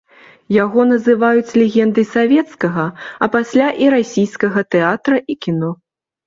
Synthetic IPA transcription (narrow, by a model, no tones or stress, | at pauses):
jaɣɔnɐzɨvajut͡sʲlʲɛɣʲɛnd̪ɨsavʲɛt̪skɐɣɐɐpasʲlʲaʔiɾasʲijskɐɣɐt̪ɛat̪ɾɐʔikʲinɔ